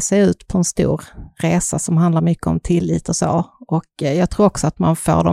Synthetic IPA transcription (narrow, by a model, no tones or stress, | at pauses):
sɛʉ̟ːt̪pʰɔɛnst̪ṵːɾɾeːsasɔmɦand̪laɾmʏkːəɔ̰mt̪ʰɪlːiːt̪ɔso̰ːʔɔkjɑːɡ̚t̪ʰɾuːɾɔksɔat̪manfo̰ːɖɔ